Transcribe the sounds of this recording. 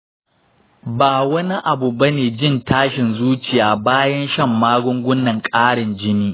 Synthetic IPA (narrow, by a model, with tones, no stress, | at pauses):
baː˨wɐ˦ni˦ʔa˨bu˨bɐ˦neː˨d͡ʒɪ˦˨ntaː˦ʃɪ˨nzuː˦t͡ʃɪ˨jaː˨baː˦jɐ˦nʃɐ˦˨mːaː˦ɡʷʊ˦ŋɡʷʊ˦nːɐ˨ŋkʼaː˦ɽɪ˨nd͡ʒɪ˦niː˦